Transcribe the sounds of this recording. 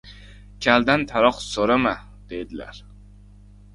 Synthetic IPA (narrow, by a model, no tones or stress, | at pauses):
kʲʰald̪ant̪ʰaɾɒqsoɾama | d̪̥e̞jd̪ɪla̰ɾ